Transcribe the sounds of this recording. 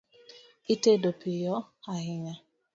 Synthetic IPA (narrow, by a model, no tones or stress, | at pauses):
itedopɪjɔaɦɪɲa